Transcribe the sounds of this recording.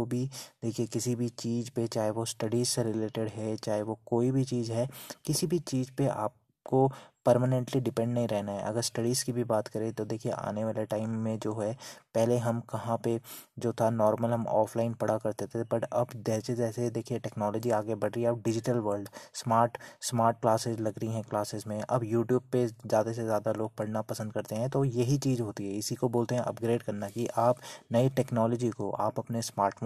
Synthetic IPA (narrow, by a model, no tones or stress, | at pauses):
obʱid̪̥eːkʰiekɪsibʱit͡ʃiːzpet͡ʃaːɦeʋosʈɐɖiːzseɾɪleːʈeɽɦɛt͡ʃaːɦeʋokoːibʱit͡ʃiːzɦɛkɪsibʱit͡ʃiːzpea̰ːp̚ | kopəɾmənɛ̃ɳʈliɖɪpɛ̃ɳɖnɐɦĩɾɛɦnaɦɛ̰ʔɐ̰ɡəɾsʈɐɽizkibʱibaːt̪kɐɾẽt̪od̪eːkʰieʔa̰ːneʋaːleʈaːɪmːẽd͡ʒoːɦɛpɛɦleɦɐmkɐɦãped͡ʒoːt̪ʰanɔːɾməlɦɐmɔ̰ːfʰlaːɪnpɐɽakɐɾt̪et̪ʰeebɐʈɐbd͡ʒɛːsed͡ʒɛːsed̪eːkʰieʈɛːknɔːlɔːd͡ʒiaːɡebɐɽɾəieɐp̚ɖɪd͡ʒɪʈəlʋəɾlɖsmaːɾʈsmaːɾʈ̚klaːsɪzlɐɡɾəɦiɦɛ̃klaːsɪzmẽʔɐbjuːʈjuːb̚pezjaːd̪as̬ezjaːd̪aloːɡ̚pɐɽnapɐsə̃nd̪̚kɐɾt̪eɦɛ̃t̪ojɐɦit͡ʃiːzɦoːt̪iɦɛɪsikoboːlt̪eɦɛ̃ʔɐ̰p̚ɡɾeːɖkɐɾnakiʔaːpnɐiʈɛːknɔːlɔd͡ʒikoʔa̰ːpɐpnesmaːɾʈf